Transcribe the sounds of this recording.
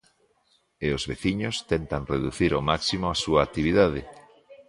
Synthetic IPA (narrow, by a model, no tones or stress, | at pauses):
eozβeθiɲost̪ent̪aŋreðuθiɾomaksimoasuaːk̚t̪iβ̞iðað̞e